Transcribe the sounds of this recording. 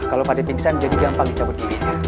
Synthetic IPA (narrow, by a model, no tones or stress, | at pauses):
kalawpat̪ipiŋsanməɲd͡ʒadiɡampaŋit͡ʃabut̪̚ɡini